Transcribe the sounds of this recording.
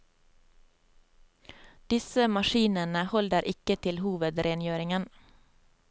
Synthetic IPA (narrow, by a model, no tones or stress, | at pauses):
d̪̥ɪsəmɑʃiːnənəhɔld̪əɾʔɪkət̪ʰɪlhuːʋəd̪ɾʔeːnjøːɾɪŋən